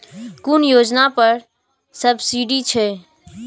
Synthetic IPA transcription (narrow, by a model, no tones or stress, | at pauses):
kʊnjoːd͡ʒnapəɾ | səbʱsiɖit͡ʃʰɛ